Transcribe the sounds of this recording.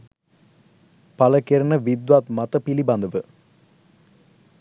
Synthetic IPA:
pɐlɐkeɾɐnɐʋid̪ʋaːt̪mɐt̪ɐpilibɐnd̪ɐʋɯ

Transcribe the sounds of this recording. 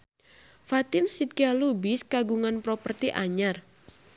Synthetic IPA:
fat̪ɪnsit̪̚kialubɪskaɡuŋanpɾɔpərt̪iʔa̰ɲar

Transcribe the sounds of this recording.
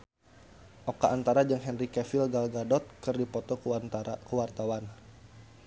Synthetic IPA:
ʔokaʔːnt̪aɾad͡ʒaŋɦɛnrikɛfilɡalɡadɔt̪̚kɨrdipɔt̪ɔkəwart̪awan

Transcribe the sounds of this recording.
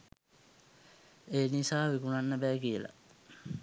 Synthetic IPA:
eːnisaːʋikunanːəbæːkiəla̰

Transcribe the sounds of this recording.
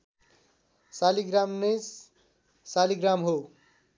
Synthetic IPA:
saliɡramnes | saliɡramɦo

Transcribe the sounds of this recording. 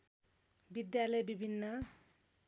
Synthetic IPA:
bid̪jalʌjbibʱinːʌ

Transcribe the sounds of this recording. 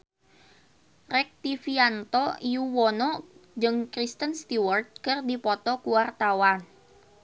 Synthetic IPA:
rɛk̚t̪ifiant̪ɔijuwɔnɔd͡ʒɨŋkɾist̪ənst̪iwərt̪̚kərdipɔt̪ɔkuwart̪awan

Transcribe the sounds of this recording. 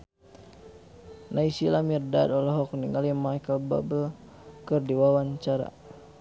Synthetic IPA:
naisilamirdadɔlɔɦɔkniŋalimaikalba̰bə | kɨrdiwawaɲt͡ʃaɾa̰

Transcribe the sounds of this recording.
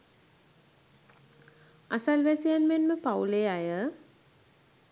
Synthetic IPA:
asalʋæsijanmenməpawleajə

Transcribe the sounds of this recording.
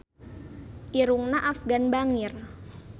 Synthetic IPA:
ʔiɾuŋnaʔafɡanbaŋir

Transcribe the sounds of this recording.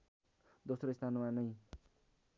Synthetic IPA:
d̪osɾoist̪ʰanmanʌj

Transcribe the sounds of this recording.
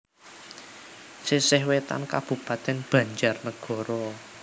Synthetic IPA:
sisɪhwet̪a̰nkab̥ṳpat̪ɛnb̥ä̤ɲd͡ʒarnəɡ̥ɔ̤ɾɔ

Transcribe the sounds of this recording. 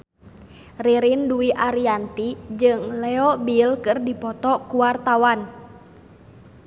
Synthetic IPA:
riɾinduiʔaɾiant̪id͡ʒɨŋlɛɔbilkɨrdipɔt̪ɔkuwart̪awan

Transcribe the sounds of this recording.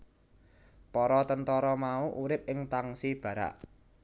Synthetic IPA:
pɔɾɔt̪ənt̪ɔɾɔmauʔuɾɪp̚ɪŋt̪aŋsib̥ä̤ɾa̰ʔ

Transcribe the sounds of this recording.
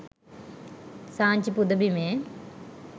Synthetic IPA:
saːɲt͡ɕipud̪ɐbimeː

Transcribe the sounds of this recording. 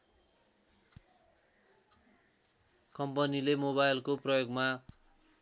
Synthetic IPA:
kʌmpʌnilemoβajlkoprʌjoɡma

